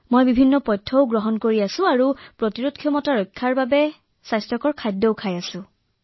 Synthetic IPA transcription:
mojbibʱinːɔpɔjtʰːɔʊɡɹɔɦɔnkoɹiasʊ̃aɹupɹotiɹudkʰjɔmɔtaɹɔjkʰːaɹbabɛ | sajstɔkɔɹkʰajdɔwkʰajasʊ̃

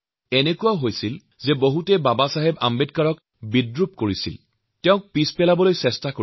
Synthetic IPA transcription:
enekuwaɦojsil | zɛboɦutɛbabasaɦɛba̰mbedkaɹɔk | bidɹup̚koɹisḭl | tɛʊ̃k̚pispɛlabɔlojsɛstako

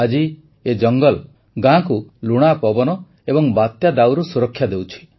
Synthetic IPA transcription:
ad͡ʒi | ed͡ʒɔŋɡɔl | ɡãkuluɽ̃apɔbɔnɔ | ebɔŋbat̪jad̪awɾusuɾɔkʰːjad̪ewt͡ʃʰi̥

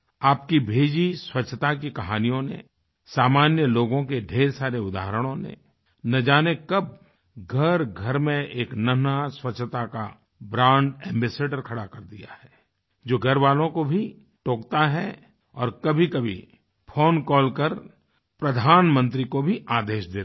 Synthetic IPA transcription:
aːp̚kibʱeːd͡ʒiswɐtʃʰt̪akikɐɦaːnijõnḛ | saːmaːnjəloːɡõkeɖʱeːɾsaːɾeʊd̪a̰ːɦɾəɽ̃õnḛ | nɐd͡ʒaːnekɐb̚ | ɡʱɐɾɡʱɐɾmẽeːknɐnaswɐtːʃʰt̪aka | bɾãːɳɖɛ̃ːmbɛːseːɖəɾkʰɐɽakɐɾd̪ija̰ɦɛː | d͡ʒoːɡʱɐɾʋaːlõkobʱi | ʈoːkt̪aɦɛ | ɔːɾkɐbʱikɐbʱḭ | pʰoːnkɔːlkəɾ | pɾɐd̪ʱaːnmə̃nt̪ɾikobʱiʔaːd̪eːʃd̪eː

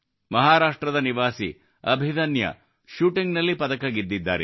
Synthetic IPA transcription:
mɐɦaːɾaːʂʈɾɐd̪ɐniʋaːsḭ | ɐbʱid̪ɐnjɐ̰ | ʃuːʈiŋɡnɐlːipɐd̪ɐkɐɡid̪ːid̪ːa̰ːɾe

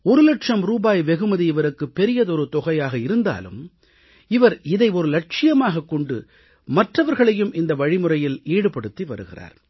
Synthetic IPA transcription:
ɔɾɯlɐʈʂɐmɾuːbaːjʋɛɣɯmɐðiɪʋɐɾɯkːɯpːɛɾɪjɐðɔɾɯt̪ɔɣɐjaːɣɐɪɾɯnd̪a̰ːlɯ̰m | ɪʋɐɾɪðɐɪɔɾɯlɐʈ̚t͡ʃɪjɐmaːɣɐkːɔɳɖɯ̰ | mɐʈrɐʋɐɾɣɐɭɐjɯmʔɪnd̪ɐʋɐɻɪmɯrɐjɪleːɽɯpːɐɽɯt̪ːiʋɐ̰ɾɯɣɪ̰ra̰ːɾ

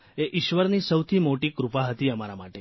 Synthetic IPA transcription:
eʔiʃʋəɾnisəwt̪ʰimoʈikɾupaɦət̪iəmaɾama̰ʈe

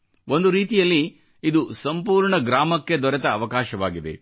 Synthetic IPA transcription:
o̞nd̪uɾiːt̪ijɐlːi | id̪usɐmpuːɾɳɐɡɾaːmɐkːe̞d̪ɔɾɛt̪ɐːʋɐkaːʃɐʋaːɡid̪e̞̰

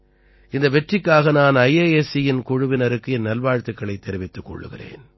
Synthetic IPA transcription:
ɪnd̪ɐʋɛʈrɪkːaːɣɐnaːnɐjeːesɪjɪnkʊɻʊʋɪnɐɾɯkːɯɛnːɐlʋaːɻt̪ːɯkːɐɭɐɪt̪ːɛɾɪʋɪt̪ːɯkːɔ̰ɭːɯ̰ɣɪ̰rḛːn

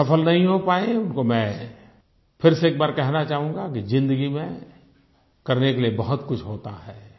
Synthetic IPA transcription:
ɐpəlnɐɦĩɦopaːẽʊnkomɛ̃ | fʰɪɾseeːk̚baːɾkɛɦnat͡ʃaːɦũːŋɡakizɪ̃nd̪əɡimẽ | kɐɾnekeliebɐɦʊt̪kʊt͡ʃʰɦoːt̪aɦɛː

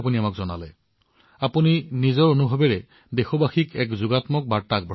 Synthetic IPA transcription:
p̬uniamakzɔna̰lɛ | apuninizɔɹonubʱɔbɛɹɛ | dexɔbaxikɛkzuɡatmɔk̚baɹtak̚bɹ

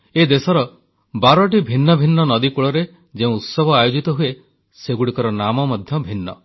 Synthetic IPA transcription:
ed̪esɔɾɔ | baɾɔʈibʱinːɔbʱinːɔnɔd̪ikuɭɔɾe | d͡ʒeũut̪sɔbʱɔajod͡ʒit̪ɔɦue | seɡuɽikɔɾɔnamɔmɔd̪ʱjɔbʱinːɔ̰

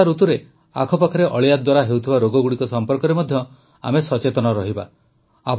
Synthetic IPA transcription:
aɾut̪uɾe | a̰kʰɔpakʰɔɾeʔɔɭijad̪waɾaɦewt̪ʰibaɾoɡɔɡuɽikɔsɔmpɔɾkɔɾemɔd̪ʱjɔ | a̰mesɔt͡ʃet̪ɔnɔɾɔɦiba̰ | ap

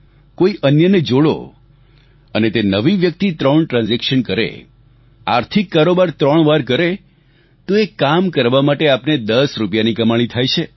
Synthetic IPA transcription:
koiʔənjəned͡ʒoɽo̰ | ənet̪enəʋiʋjək̚t̪it̪ɾəɳʈɾãnzɛkʃənkəɾḛ | a̰ɾt̪ʰikːaɾobaɾt̪ɾəɳ̃ʋaɾkəɾe | t̪oekamkəɾʋamaʈeapned̪əsɾupjanikəmaɭ̃it̪ʰajt͡ʃʰe

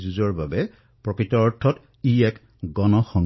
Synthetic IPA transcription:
zuzɔɹbabɛ | pɹɔkɹitɔɔɹtʰɔt | iɛk | ɡɔnɔxɔŋ

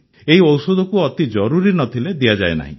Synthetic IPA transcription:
eɦiɔwsod̪ʱɔkuɔt̪id͡ʒɔɾuɾinɔt̪ʰiled̪iad͡ʒaḛna̰ɦḭ̃

